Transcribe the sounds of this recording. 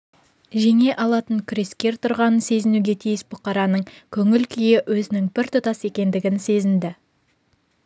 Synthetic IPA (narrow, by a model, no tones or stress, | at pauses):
ʒe̞ŋe̞ʔɑlˠɑt̪əɴkʲʰʏɾe̞skʲe̞ɾt̪ʰʊɾʁɑnənse̞zɪnuɡʲe̞t̪ʰijɪsbʊqɑɾɑnəɴkʲʰɵŋɪlkʲʰʏjɪʔwɵzɪnɪŋbɪɾt̪ʰʊt̪ɑse̞kʲe̞nd̪ɪɡʲɪnse̞zɪnd̪ɪ